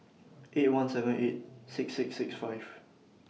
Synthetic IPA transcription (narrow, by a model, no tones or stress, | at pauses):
ʔet̚wãnsɛvə̃net̚sɪksːɪksɪksfaɪv̥